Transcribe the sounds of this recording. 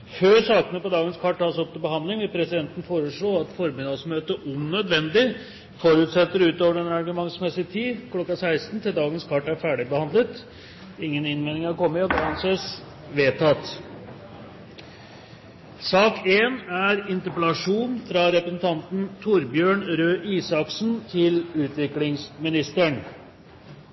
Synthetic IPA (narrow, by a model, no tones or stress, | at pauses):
føːɾsɑːkənəpɔd̪ɑːɡənskʰɑʈʰːɑːsɔp̚t̪ɪlbəhɑnd̪lɪŋʋɪlpʰɾɛsɪd̪ɛnt̪ənəfoːɾəʂɭoːɑt̪fɔɾmɪd̪ɑsmøːt̪əʔʉnːœd̪ʋɛnd̪ɪ | fɔɾʉːt̪sɛt̪ːəɾʉːt̪oːʋəɾɛnɾɑɾɡʉmɑŋsmɛsɪt̪ʰiːkʰlɔkːɑsæɪst̪n̩t̪ʰɪld̪ɑːɡənskʰɑʈːæɾfæːɖɪbəhɑnd̪lət̪ | ɪŋːənɪnmeːnɪŋɑɾkɔmːəɔɡɾɑnseːs | ʋeːt̪ʰɑt̪ | sɑːkeːnæɾɪnt̪əpəlɑʂuːnfɾɑɾɛpɾəsn̩t̪ʰɑnt̪n̩t̪ʰʊɾbjøːɳɾøːʔiːsɑksnt̪ʰɪlʉːt̪ʋɪklɪŋsmɪnɪst̪əɳ